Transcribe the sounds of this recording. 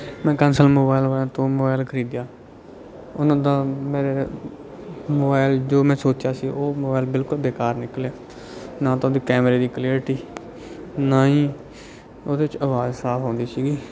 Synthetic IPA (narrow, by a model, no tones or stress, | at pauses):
mɛ̃ːkənsəlmoːbaːɪlʋaːãt̪õːmoːbaːɪlkʰəɾiːd̪jaː | ʊnãːd̪aːmeːɾeː | moːbaːɪld͡ʒoːmɛ̃ːsoːt͡ʃjaːsiːʔoːmoːbaːɪlbɪlkʊlbeːkaːɾnɪkəljaː | nãːt̪ːoːd̪iːkɛːmɾeːd̪iːkliːɾʈiː | naːĩː | oːd̪eːɪt͡ʃəʋaːzsaːpʰɦõːnd̪iːsiːɡiː